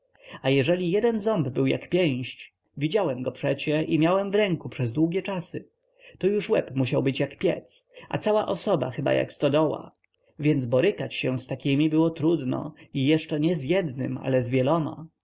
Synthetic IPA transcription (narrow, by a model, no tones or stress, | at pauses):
ajɛʐɛlʲijɛd̪ɛnzɔmbbɘwja̰kpʲjɛj̃ɕt͡ɕ | vʲid͡ʑawɛmɡɔpʂɛt͡ɕɛʔimʲjawɛmvɾɛŋkupʂɛzd̪wuɡʲjɛt͡ʂasɘ | t̪ɔjuʂwɛpmuɕawbɘt͡ɕjakpʲjɛ̰t̪sʔa̰t̪sawaʔɔsɔba̰xɘba̰ja̰kst̪ɔd̪ɔwa̰ | vʲjɛnd̪zbɔɾɘkat͡ɕɕɛst̪akʲimʲibɘwɔt̪ɾud̪nɔ̰ijɛʂt͡ʂɛɲɛzjɛd̪nɘ̰ma̰lɛzvʲjɛlɔma̰